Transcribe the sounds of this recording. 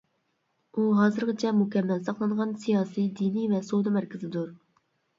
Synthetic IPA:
uɦɑːzɨɾqɨt͡ʃʰɛmukʲɛmːɛlsɑqlˠɑɴʁɑnsijɑːsid̪inivɛsod̪ɨmæɾkʲɪzɪd̪uɾ

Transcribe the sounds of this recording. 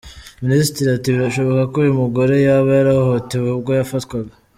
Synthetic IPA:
minisitɾiatiβiɾaʃo̞βokakuːjumuɡo̞ɾe̞jaβajaɾahoteβubɡojafatwaɡa

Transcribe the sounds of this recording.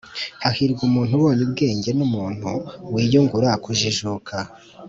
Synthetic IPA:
hahiɾɡumuːn̥huβoːnibɡe̞ːɲɟe̞numuːn̥hṵwiːjoŋɡuɾakuʒiʒukʰa

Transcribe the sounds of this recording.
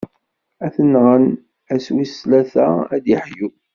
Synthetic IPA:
æθənːʁən | æswislæθææ̰d̪əħju

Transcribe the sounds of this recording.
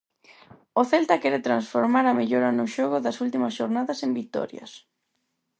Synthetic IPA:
ʊθɛlt̪akɛɾet̪ɾansfoɾmaɾameʎoɾɐnʊʃɔɣʊðɐsult̪imɐsʃoɾnaðɐsembit̪ɔ̰ɾjɐ̰s

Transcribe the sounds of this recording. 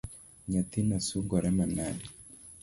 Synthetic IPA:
ɲat̪inasuɡɔɾɛmanali

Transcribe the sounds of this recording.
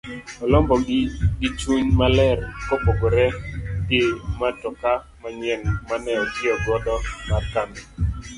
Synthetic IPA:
ɔlɔmbɔɡɪɡit͡ʃuɲmalɛrkopoɡoɾɛdematɔka | maɲɛŋmanɛɔtɪɔdwɔdɔmarkanɛ

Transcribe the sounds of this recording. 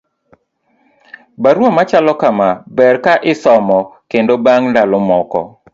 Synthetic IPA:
baɾwomat͡ʃalɔkamabɛrkaʔɪsɔmɔkendobaŋndalɔmɔkɔ̰

